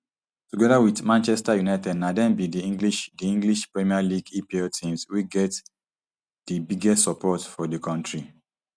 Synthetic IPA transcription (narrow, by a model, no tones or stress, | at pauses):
tuɡɛðawidmãnt͡ʃɛstajunaɪtɛdnadɛ̃nbidiĩŋɡliʃdiĩŋɡliʃpɹɛmialiɡipiɛtʰĩmswiɡɛt | d̥əbiɡɛstsɔpʰɔtfɔdəkʰɔ̃ntɹi